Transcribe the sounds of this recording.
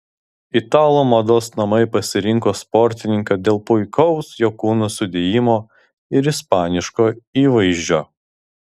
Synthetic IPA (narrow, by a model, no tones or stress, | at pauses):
ɪt̪ɑːlˠoːmɐd̪oːsnɐmɐɪpɐsʲɪɾʲɪŋkoːspɔɾʲt̪ʲɪnʲɪŋkɑd̪ʲeːlˠpʊɪkɔʊsjokuːnusʊd̪ʲeːjɪmoː | ɪɾɪspɑːnʲɪʃkoːiːʋɐɪʒʲd͡ʒʲoː